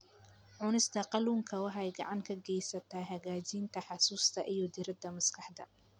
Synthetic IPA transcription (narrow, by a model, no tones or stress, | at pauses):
ʕʊnɪst̪ʰɐqɑluːŋkʰɐwɑħɛjɡɑ̰ʕɑŋkʰɐɡɛjsɐt̪ʰaːɦɐɣaːt͡ʃiːnt̪ʰɐħɑsuːst̪ʰɐʔijɔd̪ɪɾɐd̪ɐmɐskʰɑħd̪ɐ̰